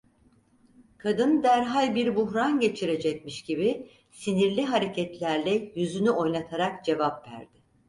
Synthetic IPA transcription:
kʰad̪ɯnd̪æɾɦalʲbiɾbuɦɾanɟe̞t͡ʃʰiɾe̞d͡ʒɛc̚miʃɟibi | siniɾlʲiɦaɾe̞cʰɛt̪lʲæɾlʲɛjyzynyo̞jlˠat̪ʰaɾakd͡ʒe̞vapvæ̰ɾd̪ɪ

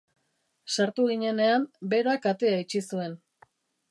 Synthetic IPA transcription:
saɾt̪uɣiɲe̞ne̞ambe̞ɾakat̪e̞ait͡ʃisue̞n

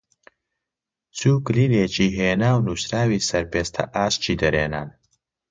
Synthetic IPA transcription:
t͡sʰuːkɨliːleːt͡ʃiːɦeːnaːwnuːsɾaːwiːsɐɾpeːst̪ʰɐ̰ʔaːʃt͡ʃʰiːd̪ɐɾeːna̰ːn

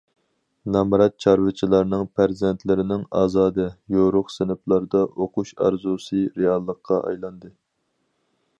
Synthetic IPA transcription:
nɑmɾɑt̪̚t͡ʃʰɑɾvɨt͡ʃʰilˠɑɾnɨŋpʰæɾzɛnt̪ʰlɪɾɪnɪŋɑ̰ːzɑːd̪ɨjoɾʊχsɪnɪplˠɑɾd̪ɑʔoqʰuʃɑ̰ɾzusɨɾeɑlˠːəqʰːɑʔɑ̰jlˠɑnd̪ɨ

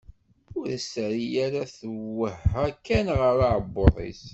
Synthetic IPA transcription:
ʊɾæsəɾijæɾæθəwəhækːænʁəɾaʕbːoðˤḭs

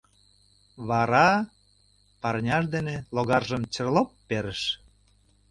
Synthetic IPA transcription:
βɑɾɑ | pɑrnʲɑʃ̬d̪eneloɣɑrʒəmt͡ɕərlopːeɾəʃ

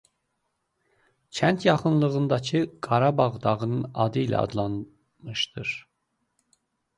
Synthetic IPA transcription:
t͡ʃʰænt̪ʰjɑχɯnlˠɯʁɯnd̪ɑcʰɯɡ̥ɑɾɑbɑʁd̪ɑʁɯnɯnɑ̰d̪ɯilæ̰ɑ̰d̪lˠɑn | mɯʃd̪ɯɾ̥

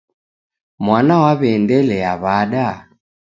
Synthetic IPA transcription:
mwanawaβɛːndɛlɛaβaɗa

